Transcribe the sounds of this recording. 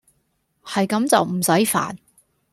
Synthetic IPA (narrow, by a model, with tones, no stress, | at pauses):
hɐ˨jkɐ˨˥mt͡sɐ˨wm̩˨˩sɐ˨˥jfa̰ː˨˩n